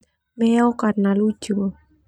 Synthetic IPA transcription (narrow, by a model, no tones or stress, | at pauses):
mɛɔkarnalu̥d͡ʒ̥u